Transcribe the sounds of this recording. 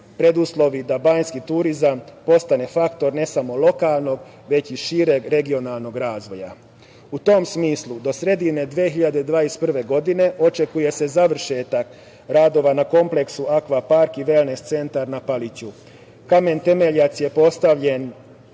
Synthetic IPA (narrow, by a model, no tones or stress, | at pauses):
pɾed̪uslˠo̞ʋid̪abaɲskit̪uɾizampo̞st̪ane̞fakt̪o̞ɾne̞samo̞lo̞kaːlˠno̞ɡ | ʋe̞t͡ɕiʃiːɾe̞ɡɾe̞ɡio̞nalˠno̞ɡɾaːzʋo̞ja̰ | ut̪o̞msmiːslˠud̪o̞sɾe̞d̪ine̞d̪ʋexiʎad̪ed̪ʋaːjest̪pr̩ʋe̞ɡo̞d̪ine̞ʔot͡ʃe̞kuje̞se̞zaʋr̩ʃe̞ːt̪ak | ɾaːd̪o̞ʋanako̞mple̞ksuakʋapaɾkiʋe̞ːlnest̪se̞nt̪aɾnapalit͡ɕu | kame̞nt̪e̞me̞ʎat̪sje̞po̞st̪aʋʎe̞n